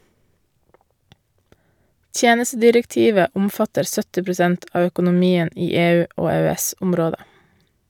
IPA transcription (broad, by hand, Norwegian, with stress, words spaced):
ˈtjeːnəstədɪɾɛkˌtiːʋə ˈʊmfɑtəɾ ˈsœtɪ pɾʊˈsɛnt ˈɑː œkʊnʊˈmiːən ˈiː ˈeːˌʉː ˈoː eːøːˈɛsʊmˌɾoːdə